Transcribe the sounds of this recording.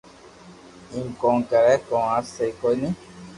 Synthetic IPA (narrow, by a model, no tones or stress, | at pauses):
iŋkɔŋkɛɾɛkɔ̃asekonĩ